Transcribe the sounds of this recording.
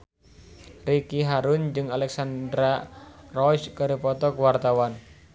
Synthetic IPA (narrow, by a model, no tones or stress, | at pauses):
rikiɦaɾʊnd͡ʒɨŋalɛksand̪ɾarɔt͡ʃkəɾipɔt̪ɔkuwart̪awan